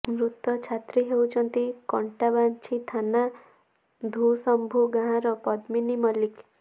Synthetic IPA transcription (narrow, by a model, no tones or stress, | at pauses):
mɾut̪ɔt͡ʃʰat̪ɾiɦewt͡ʃʰʌnt̪ikɔɳʈabant͡ʃʰit̪ʰana | d̪ʱusʌmbʱuɡʱãɾɔpʌd̪minimʌlik